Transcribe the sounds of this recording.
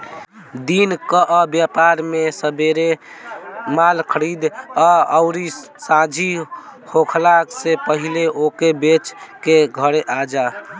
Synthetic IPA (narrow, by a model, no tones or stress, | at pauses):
d̪inkəʔəbjapaɾmesəbeɾe | malkʰəɾid̪aəʊɾi | sãd͡ʒʱihokʰlaksepəɦileʔokebet͡ʃkeɡʱəɽeʔad͡ʒa